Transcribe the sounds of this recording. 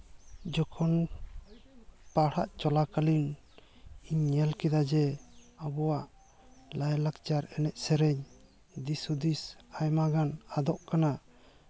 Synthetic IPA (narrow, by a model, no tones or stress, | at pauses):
d͡ʒɔkʰɔn | paɽaʔt͡ʃɔlakalin | iɲːɛlkɛd̪ad͡ʒɛabɔwaʔ | lajlakt͡ʃaɾɛnɛʔ̪̚ˀsɛɾɛɲ | d̪isud̪isajmaɡanad̪ɔʔkana